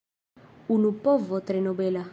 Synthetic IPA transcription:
unupɔvɔt̪ɾɛnɔbɛla

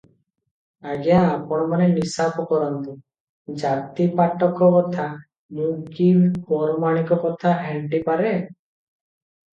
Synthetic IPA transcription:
aɡijãːpɔɽ̃ɔmanenisapɔkɔɾɔnt̪u | d͡ʒat̪ipaʈɔkɔkɔt̪ʰa | mũkipɔɾɔmaɽ̃ikɔkɔt̪ʰaɦɛɳʈipaɾe

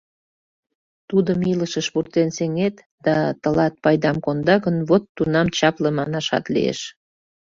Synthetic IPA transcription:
t̪ud̪əmiləʃəʃβurt̪enseŋet̪ | d̪̥ɑt̪əlɑt̪̚pɑjd̪ɑmkond̪ɑɣənβot̪ːunɑmt͡ɕɑpləmɑnɑʃɑ̰t̪lḭḛʃ

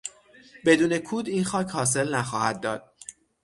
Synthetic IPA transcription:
be̞d̪uːne̞kʰuːd̪inxɒːcʰhɒːs̬e̞lnæxɒːhæd̪̚ːɒːd̪̥̚

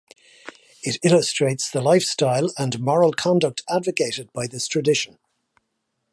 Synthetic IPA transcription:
ɪtɪləstɹ̥eɪtsðəlaɪfstaɪlə̃nmɒɹəlˠkʰɒ̃ndək̚tʰadvəkʰeɪtɪd̚baɪðɪstʰɹ̥ədɪʃə̃n

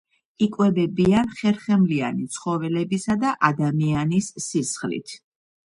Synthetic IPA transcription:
ikʼwɛbɛbianχɛɾχɛmlianit̪sʰχɔvɛlɛbisad̪aʔad̪amianisːisχlḭt̪ʰ

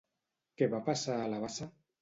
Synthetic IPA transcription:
keβapasaːlaβasa

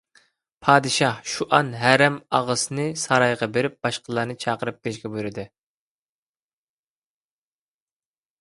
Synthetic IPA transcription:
pʰɑːd̪ɨʃɑhʃuʔɑnɦæɾɛmɑʁəsɨnɨsɑɾɑjʁɑbeɾɪp̚b̥ɑʃqʰəlˠɑɾnɨt͡ʃʰɑːqəɾɨp̚kʲelɪʃkʲɛbujɾɪd̪ɨ

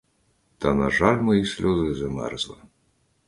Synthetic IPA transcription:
t̪ɐnaʐalʲmɨjisʲlʲuzɨzɨmɛ̰rzlˠɨ̰

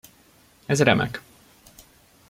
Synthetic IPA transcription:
ɛzrɛmʔɛ̰k

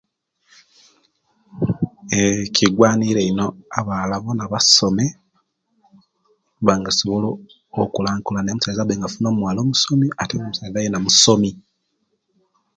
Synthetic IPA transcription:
eciɡwaːniɾeino̞aβaːlaβonaβaso̞me̞ | βaŋɡasoβoloː | kulaːŋkulaneːmusalezabeːŋɡafuno̞ːmmwaːlo̞ːmuso̞miateŋamusalezajenamuso̞mi

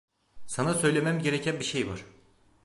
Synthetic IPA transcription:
sanasø̞jlʲe̞mæmɟe̞ɾecʰænbiʃe̞jva̰ɾ̥

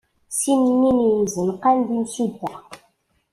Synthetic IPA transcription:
sinɲinizɨnqandinsida

